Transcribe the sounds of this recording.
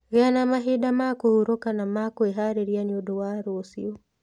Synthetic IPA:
ɣɛanamaɦiɗamakɔhuɾɔkanamakɔɛɦaɾɛɾianiɔdɔwaɾɔːsiɔ

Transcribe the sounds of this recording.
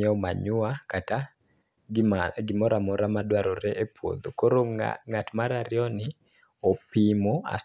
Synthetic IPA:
ɛɔma̰ɲʊakata | ɡɪmɔɾamɔɾamadwaɾoɾɛʔepwo̰d̪okoɾoŋatmaɾaɾjɔnɪ | opimoa̰

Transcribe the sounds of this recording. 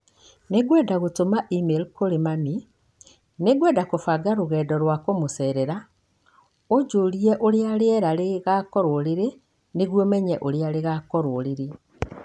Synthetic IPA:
neɡwɛːdaɣotomaʔimelkoɾemami | neɡwɛdakofaɡaɾoɣɛːdɔɾwakomosɛːɾɛɾa | od͡ʒoɾiɛʔoɾeaɾeɛɾaɾeɣakɔɾoɾeɾe | neɣwomɛɲɛʔoɾeaɾeɣakɔɾoɾeɾe

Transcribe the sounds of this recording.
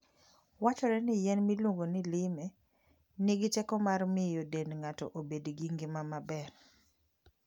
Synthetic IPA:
wat͡ʃɔɾɛnɪjɛnmilwoŋɡonɪlɪmɛ | nɪɡɪtɛkɔmarmɪjodenŋatɔ̰ʔobedɡiŋɡɪmamabɛr

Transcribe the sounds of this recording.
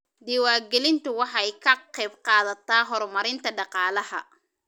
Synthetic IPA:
d̪ɪwaːɡɛlɪnt̪ʰʊwɑħɑjkʰɐqɛjbqɑːðɐt̪ʰaːɦɔrmɐɾɪnt̪ʰɐɖɑqɑːlɐɦɐ

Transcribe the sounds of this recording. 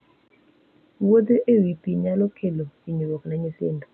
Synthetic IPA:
wod̪eʔewipiɲalɔkʰeloiɲowɔknaɲɪsɪ̰ndɔ

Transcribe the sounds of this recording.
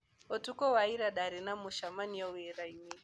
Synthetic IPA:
ɔtukɔwaiɾaɗaɾɛnamuʃamaniɔwɛɾaimi

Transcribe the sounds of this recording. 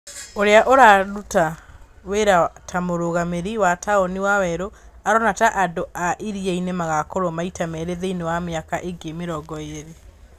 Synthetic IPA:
oɾeaʔoɾaɾutaweɾatʰamoɾoɣameɾiwataoniwawɛɾoaɾɔnataʔadoʔaʔiɾieinemaɣakoɾomaitamɛɾeðeinewameakaʔeɡemeɾɔɡɔeɾe

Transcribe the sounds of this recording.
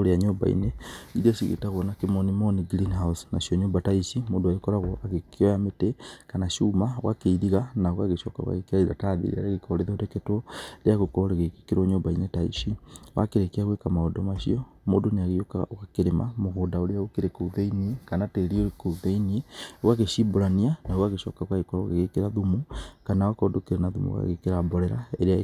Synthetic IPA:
oɾeaɲoba̰ḭneiɾiaʃiɣḛtaɣwonakimonimoniɡɾinhausnaʃioɲombataiʃimoduajokoɾaɣoaɣekiojametekanaʃumaɣwakeiðiɣanaɣwaɣeʃɔka̰wa̰ɣekaiɾataðḭɾḭa̰ɾaɣekoɾeðoteketoɾeaɣukoɾeɣekekiɾoɲombainetaḭʃiwa̰keɾekeaɣwekamaɔdɔmaʃiɔ | modoneaɣeokaɣwakeɾema̰moɣodaoɾeaɣokeɾekouðeiniekanateɾiokouðeinieɣwaɣeʃiboɾanianaɣwaɣeʃɔkaɣwaɣekaoɣeɣekeɾaðumukanawakɔdokeɾenaðṵmṵɣwa̰ɣekeɾabɔɾɛɾaeɾea

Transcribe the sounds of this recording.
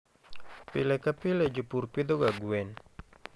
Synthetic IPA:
pilɛkapilɛd͡ʒupurpid̪oɡaɡuɛn

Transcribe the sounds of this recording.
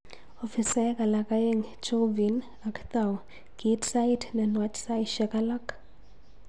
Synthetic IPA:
ɔfisaɛkalakajeŋt͡ʃovin | akt̪aw | ɡ̥itsajdnɛnwatsajʃɛkalak

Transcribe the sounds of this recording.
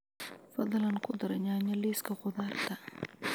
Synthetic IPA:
fɐðɐlɐnkʰʊd̪ɐɾɐɲaːɲɐliːskʰɐqʊðaːrt̪ʰɐ

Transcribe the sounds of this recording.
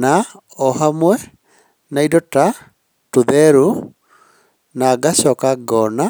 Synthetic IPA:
na | ɔɦamwɛ | naidɔta | tuðɛɾu | naɡaɕɔkaɡɔna

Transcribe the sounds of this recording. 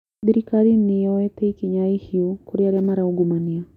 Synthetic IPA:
ɗiɾikaɾiniɔwɛtɛikiɲaihiɔkuɾiaɾjamaɾauɡumania

